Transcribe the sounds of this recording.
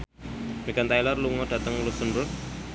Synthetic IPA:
miɡant̪ajlɔrluŋɔɖ̥ä̤t̪əŋlusunɾʊt̪̚

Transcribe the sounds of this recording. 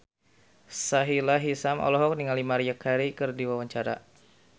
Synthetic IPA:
saɦilaɦisamɔ̰lɔɦɔk̚niŋalimaɾijakhaɾikɨrdiwawaɲt͡ʃaɾa̰

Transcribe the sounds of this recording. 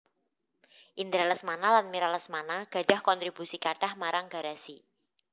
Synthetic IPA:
ʔind̪ɾaləsmanalanmiɾaləsmanaɡ̥ä̤ɖ̥a̤hkɔnt̪ɾib̥usikaɖ̥ahmaɾaŋɡ̥a̤ɾasi

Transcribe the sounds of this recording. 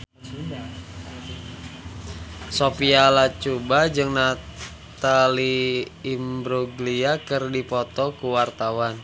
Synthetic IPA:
sopialat͡ʃubad͡ʒɨŋna | t̪aliː | mbɾuɡliakɨrdipɔt̪ɔkuwart̪awan

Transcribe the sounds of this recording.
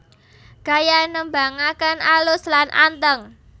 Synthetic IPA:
ɡ̥a̤janəmbaŋakənalʊslanʔa̰nt̪əŋ

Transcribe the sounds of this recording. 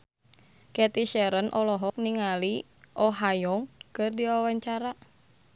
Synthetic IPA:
kɛt̪iʃɛɾənʔɔlɔɦɔk̚niŋali | ʔɔɦajɔŋkɨrdiwawaɲt͡ʃaɾa

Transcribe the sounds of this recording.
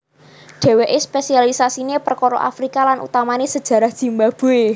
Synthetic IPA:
ɖ̥e̤weʔespesialisasiɲepərkoɾo̰ʔa̰fɾikalanṵt̪amanesə̥ʒ̥ä̤ɾahd̥ʒ̥i̤mbab̥o̤e

